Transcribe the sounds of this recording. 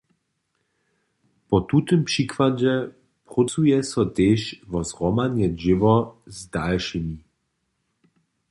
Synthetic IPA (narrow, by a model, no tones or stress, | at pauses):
pɔt̪ut̪ɪmpʂikvad͡ʑɛ | pʁut͡sujɛsɔt̪eːʃvɔzʁɔmaɲɛʒɪvɔzdalʃimi